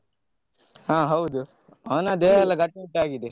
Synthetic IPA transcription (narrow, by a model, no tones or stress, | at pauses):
hãːɦɐwd̪u | ɐʋɐnaːd̪eːɛlːɐɡɐʈːmeʈaːɡid̪e